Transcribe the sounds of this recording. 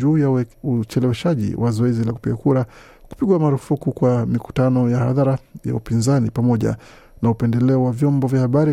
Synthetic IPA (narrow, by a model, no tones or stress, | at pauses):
uːjaut͡ʃɛlɛwɛʃaʄḭwʔazɔɛzilaku̥piɡakuɾa | ku̥piɠwamaɾufukukwamiku̥tanɔjaha̰ðaɾaja̰upinzanipamɔʄa̰ | naupɛndɛlɛɔwavjɔmbɔvjahaɓaɾi